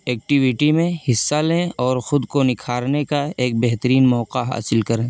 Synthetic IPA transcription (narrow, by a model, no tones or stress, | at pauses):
ɛːk̚ʈɪʋɪʈimẽhɪsːalẽɔːɾxʊd̪konɪkʰaːɾnekaeːk̚bɛɦt̪əɾiːnmɔːqaɦa̰ːsɪlkɐɾẽː